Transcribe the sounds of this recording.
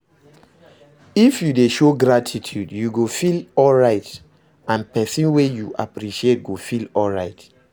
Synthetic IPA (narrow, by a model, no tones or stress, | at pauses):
ifjudeʃoɡɾatʰitʰjudjuɡofilɔlɹaɪt | ãnpɛsĩnwejuʔa̰pɹiʃiet̚ɡofilɔlɹaɪt